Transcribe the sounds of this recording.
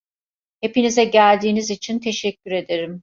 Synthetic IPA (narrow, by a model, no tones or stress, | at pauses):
he̞pinizɛɟælʲd̪iːnizit͡ʃʰint̪ʰe̞ʃɛcʰːyɾe̞d̪e̞ɾim